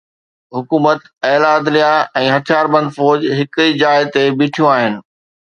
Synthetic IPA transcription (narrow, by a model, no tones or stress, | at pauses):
ɦʊkuːmət̪ | ɛːlaːd̪lijaɛ̃ːɦɐt̪ʰijaːɾbɐ̃n̆d̪fɔːd͡ʑɦɪkid͡ʑaːɪɦt̪ebɪ̃ːʈʰijũaːɦɪnɪ̆